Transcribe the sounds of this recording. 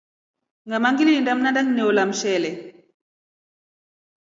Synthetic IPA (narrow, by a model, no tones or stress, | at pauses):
ŋɡamaŋɡiliindam̩nandaɲnɛwlam̩ʃɛlɛ